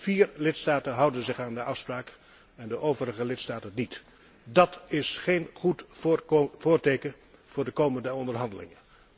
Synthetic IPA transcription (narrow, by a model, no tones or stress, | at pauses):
v̥iːrlɪtstaːtənɦɑwdənzɪχaːndəʔɑfspraːk | ɛndəʔowvərəχəlɪtstaːtənːit | dɑtɪsχejnχut | voːɹtejkə | v̥ʊːɹdəkowməndəɔndəɹɦɑndəlɪ̰ŋən